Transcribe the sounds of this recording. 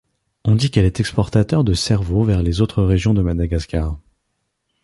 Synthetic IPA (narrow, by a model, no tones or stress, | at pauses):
ɔ̃d̪ikɛlɛt̪ɛkspɔʁt̪at̪œʁd̪əsɛʁvovɛʁlezot̪χəʁeʒjɔ̃d̪əmad̪aɡaskaʁ